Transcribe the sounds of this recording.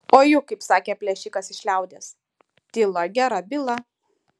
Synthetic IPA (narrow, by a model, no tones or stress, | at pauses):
oːjʊkɐɪpsɑːkʲeːpʲlʲɛʃʲɪkɐsɪʃʲlʲɛʊd̪ʲeːs | t̪ʲɪlˠɐɡʲæːɾɐbʲɪlˠɐ